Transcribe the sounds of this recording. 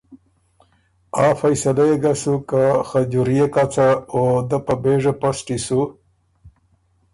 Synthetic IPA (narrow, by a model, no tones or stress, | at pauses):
afajsalajeɡasukaxad͡ʑuɾijekat͡saod̪əpabeʐaposʈisu